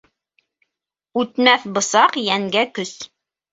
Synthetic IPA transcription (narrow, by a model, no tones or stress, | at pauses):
ʉt̪mæθbɤ̆sɑqjæŋɡækɵs